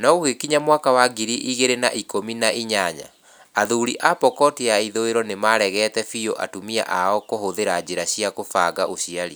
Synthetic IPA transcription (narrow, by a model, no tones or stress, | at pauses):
nɔuhekiɲamwakawaɡiɾiʔiɣeɾena̰ʔikominaʔiɲaɲa̰ | aðuɾiʔapɔkɔtiaiðoeɾɔnemaɾɛɣɛtɛfioʔa̰tumia̰ʔaɔkoɦoðeɾad͡ʑeɾaɕijakofaːɡaʔoɕiaɾi